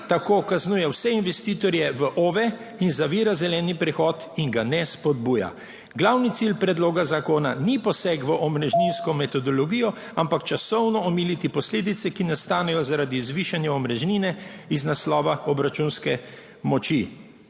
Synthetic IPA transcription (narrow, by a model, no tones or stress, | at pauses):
t̪akoːkaznuːjɛwsɛinʋɛst̪iːt̪ɔɾjɛʋəʔoːʋɛ | inzaʋiːɾazɛlɛːnipɾɛxɔt̪iŋɡanɛspɔd̪buːja̰ | ɡlawnit̪silpɾɛd̪loːɡazakoːnanipɔsɛkʋəʔɔmɾɛʒninskɔmɛt̪ɔd̪ɔlɔɡiːjɔ | ampakt͡ʃasɔwnɔɔmiːlit̪ipɔsleːd̪it̪sɛkinast̪aːnɛjɔzaɾaːd̪izʋiːʃanjaɔmɾɛʒniːnɛiznaslɔːʋaɔbɾat͡ʃunskɛ | mɔt͡ʃi